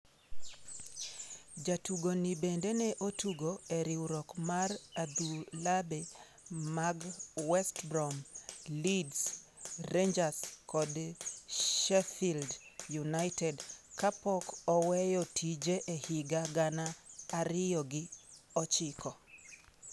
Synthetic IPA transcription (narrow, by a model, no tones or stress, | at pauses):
d͡ʒatuɡonibendenɛʔotuɡoeɾiwɾɔkmarad̪ulabe | maɡwɛstbɾɔmlidsrend͡ʒaskɔd | ʃɛfildjunaɪtɛdkapɔkɔwɛjɔtʰid͡ʒeʔehɪɡaɡanaːɾɪjɔɡɪ | ɔt͡ʃɪkɔ